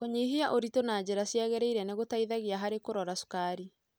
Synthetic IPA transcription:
koɲiɦiaʔoɾitonaːd͡ʑeɾasjaɣɛɾeiɾɛneɣotaiðaɣiaɦaɾekoɾɔɾasu̥kaɾi

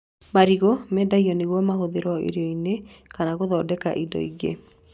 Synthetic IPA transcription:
maɾiɣomɛːdaiɔneɣwɔmaɦoðeɾɔḛɾeɔine | kanaɣoðɔːdɛka̰ʔidɔ̰ḭɣḛ

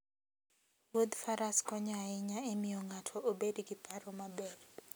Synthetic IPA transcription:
wod̪faɾaskɔɲaɪɲaemɪjɔŋatʰɔʔobedɡɪpʰaɾɔmabɛɾ

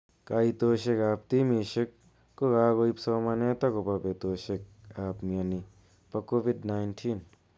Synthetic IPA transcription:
kait̪oːʃekaːp̚t̪imiʃek̚ː | oɡaːɡoipsɔːmɐneːt̪ɐkopɐpet̪oːʃek̚aːpmiɐni | pɐkobiɖnajnʈʰin

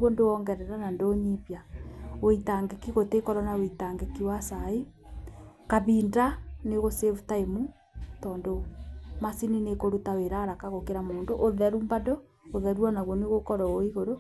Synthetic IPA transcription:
wondoɔŋɡɛɾɛɾanandoːɲiβjawoitaŋɡekiɣotekɔɾɔnaweitaŋɡekiwasai | kaβindaneɣosevutaemu | tɔːndomasininekoɾutaweɾaɾakaɣokeɾamoːndoʔoðɛɾumbadɔ | oðɛɾwanaβwɔneɣokɔɾɔoiɣoɾo

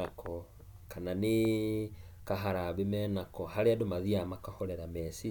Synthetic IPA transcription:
akʰɔ | kanane | kaɦaɾaβemɛːnakɔhaɾeadomaðiamakahɔɾɛɾamɛsi

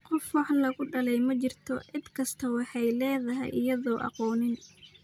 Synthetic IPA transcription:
qɔfwɑħlɐɣʊɖɐlɛjmɐt͡ʃɪrt̪ʰɔʕɪd̪kʰɐst̪ʰɐwɑħɑjlɛːðɐɦɛ̰jɪ̰jɐðɔːʔɑ̰qɔːnɪn

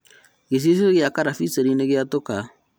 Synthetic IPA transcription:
ɡes̬is̬ɣeakaɾafiseɾineɣeatoka

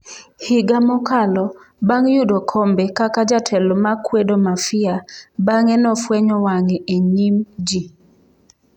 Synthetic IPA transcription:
hɪɡamɔkalɔbaŋjudɔkʰɔmbɛkakad͡ʒatʰɛlɔmakwedomafɪabaŋɛnɔfwɛɲɔwaŋɛʔeɲimd͡ʒi

